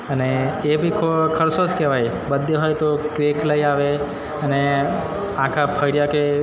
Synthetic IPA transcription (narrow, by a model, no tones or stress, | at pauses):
əneːbʱikʰokʰəɾsoskeʋaj | bəd̪ʱːeɦojt̪okɾekləiaʋe | əne | ãkʰapʰəɽjake